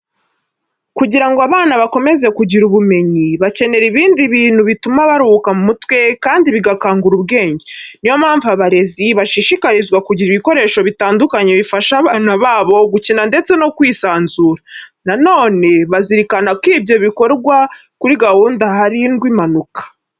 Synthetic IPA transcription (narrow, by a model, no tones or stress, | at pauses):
kuɟiɾaŋɡoaβaːnaβako̞me̞ze̞kuɟiɾuβume̞ɲiβace̞ne̞ɾiβiːndiβiːn̥huβitumaβaɾuukamumutwe̞kaːndiβiɡakaːŋɡuɾub̚ɡe̞ːɲɟenijo̞maːɱvaβaɾe̞ziβaʃiʃikaɾizɡwakuɟiɾiβiko̞ɾe̞ːʃo̞βitaːndukaɲe̞βifaʃaːβaːnaβaːβo̞ɡucinande̞t͡se̞no̞kwiːsaːnzuːɾanano̞ːne̞βaziɾikanakiːbjo̞βiko̞ɾɡwa | kuɾiɡahuːndahaɾinɡwimanukḁ